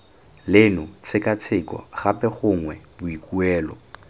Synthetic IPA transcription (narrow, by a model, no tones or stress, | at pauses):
lɪnʊt͡sʰɪkat͡sʰɪkɔ̰χapɛχʊŋwɛbʊikuɛːlɔ̰